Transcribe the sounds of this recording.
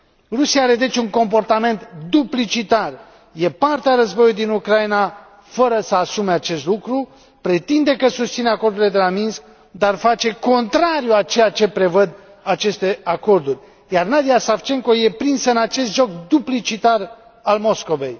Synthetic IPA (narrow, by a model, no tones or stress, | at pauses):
rusiaaɾe̞d̪e̞t͡ʃʲuŋko̞mpo̞rt̪ame̞nt̪d̪uplit͡ʃit̪ar | je̞part̪eaɾəzbo̞juljd̪inukɾaina | fəɾəsəasume̞at͡ʃe̞st̪lukɾu | pɾe̞t̪ind̪e̞kəsust̪sineako̞rd̪uɾile̞d̪elaminsk | d̪arfat͡ʃe̞ko̞nt̪ɾaɾjuat͡ʃe̞jat͡ʃe̞pɾe̞vəd̪ | at͡ʃe̞st̪e̞ako̞rd̪urʲ | jarnad̪ijasaft͡ʃe̞ŋko̞je̞pɾinsəɨnat͡ʃe̞st̪ʒo̞kd̪uplit͡ʃit̪ar | almo̞sko̞ve̞̰j